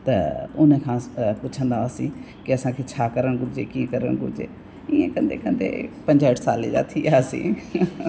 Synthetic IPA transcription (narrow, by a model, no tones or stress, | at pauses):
t̪ɛ̰ːʊnẽːkʰãːpʊt͡ʃʰənd̪aːəsĩː | kɪəsãːkɪt͡ʃʰaːkəɾənɡʊd͡ʒeːkiːkəɾə̰nɡṵd͡ʒḛː | ɪḛ̃ːkənd̪ḛːkənd̪ḛːpəɲd͡ʒaːɪʈʰsaːliːd͡ʒa̰ːt̪ʰiːɛəsḭ̃ː